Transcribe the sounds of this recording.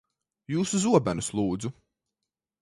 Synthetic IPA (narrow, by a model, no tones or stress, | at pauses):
juːsuzuɔbænuslˠuːd̪zu